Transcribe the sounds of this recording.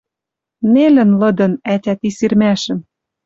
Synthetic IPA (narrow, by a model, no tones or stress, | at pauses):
nelɘ̆nlɤ̆d̪ɤ̆nætʲæt̪isirmæʃɘ̆m